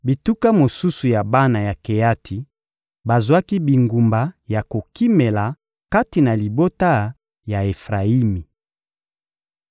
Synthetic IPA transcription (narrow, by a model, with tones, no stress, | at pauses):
bi˨tu˦ka˦mo˨su˦su˨ja˨ba˦na˨ja˨ke˨ja˦tʰi˨ | ba˨zwa˦ki˦bi˨ŋɡu˨mba˨ja˨ko˨ki˦me˨la˨ | ka˦ti˨na˨li˨bo˦ta˦ | ja˨e˨fʁa˨i˦mi˨